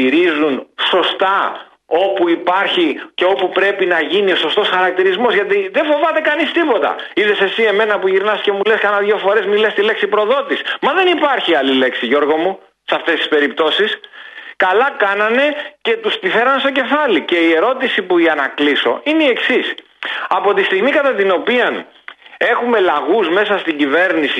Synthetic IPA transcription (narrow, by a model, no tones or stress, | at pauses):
iɾizunso̞st̪ɐ | o̞puipɐɾçice̞o̞pupɾe̞pinɐʝinio̞so̞st̪o̞sxɐɾɐk̚t̪iɾizmo̞zʝɐt̪iðefo̞vɐt̪e̞kɐnist̪ipo̞t̪ɐ̰ | iðe̞se̞sie̞me̞nɐpuʝiɾnɐsce̞muleskɐnɐðʝo̞fo̞ɾe̞zmilest̪ile̞ksipɾo̞ðo̞t̪ismɐðe̞nipɐɾçiɐlile̞ksiʝo̞ɾɣo̞mu | sɐft̪e̞st̪ispe̞ɾipt̪o̞siskɐlɐkɐnɐne̞ce̞t̪ust̪iθe̞ɾɐnst̪o̞ce̞fɐlice̞ie̞ɾo̞t̪isipuiɐnɐkliso̞̰ineieksis | ɐpo̞t̪ist̪iɣmikɐt̪ɐt̪ino̞piɐn | e̞xume̞lɐɣuzme̞sɐst̪iɲɟive̞ɾnisi